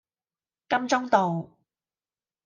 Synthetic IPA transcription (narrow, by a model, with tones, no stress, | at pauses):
kɐ˥mt͡sʊ˥ŋt̪o˨w